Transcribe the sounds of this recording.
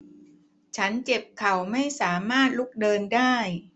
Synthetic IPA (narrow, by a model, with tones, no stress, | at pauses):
t͡ɕʰa˦˥nt͡ɕe˨˩p̚kʰa˨˩wma˥˩jsaː˩˦maː˥˩t̪̚lu˦˥˩k̚dɤː˧ndaː˥˩j